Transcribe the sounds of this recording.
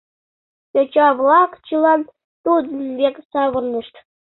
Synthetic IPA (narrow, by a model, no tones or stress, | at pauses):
jot͡ɕɑβlˠɑkt͡ɕɯlˠɑn | t̪ud̪ə̆nβʲeksɑβɤ̆rnʲiʃt̪